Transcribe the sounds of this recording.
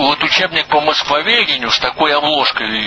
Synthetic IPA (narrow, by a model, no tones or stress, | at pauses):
vot̪ʊt͡ɕebnʲɪk̚pəmɐskvɐvʲedʲɪnʲʊst̪ɐkojɐblˠoʂkəj